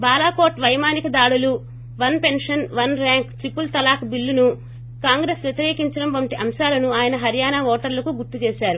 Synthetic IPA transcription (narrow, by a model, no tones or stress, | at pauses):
baːlaːkoːɾʈʋɐjmaːnikɐd̪aːɽulu | ʋɐnpe̞nʂɐnʋɐnɾaːŋkt̪ɾipːult̪ɐlaːkbilːunu | kaːŋɡɾesʋjet̪iɾeːkiɲt͡ʃɐɽɐmʋɐɳʈiʔɐmʃaːlɐnuaːjɐnɐɦɐɾjaːnaʋɔːʈɐɾlɐkuɡuɾt̪ːut͡ʃɛːʃaːɾu